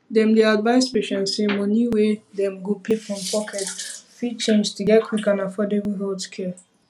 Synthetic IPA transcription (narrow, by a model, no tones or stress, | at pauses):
dɛ̃mdeadvaɪspeʃɛ̃nsẽmɔ̃niwedɛ̃mɡopʰefɹɔ̃mpʰɔkʰɛtfit͡ʃẽmstuɡɛt̚kʰwikãnafɔdɛviɦotkʰɛ